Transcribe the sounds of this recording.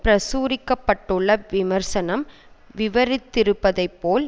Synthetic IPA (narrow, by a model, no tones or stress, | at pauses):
pɾɐsuːɾɪkːɐpːɐʈːɯɭːɐʋɪmɐɾsɐnɐm | ʋɪʋɐɾɪt̪ːɪɾɯpːɐðɐɪpːoːl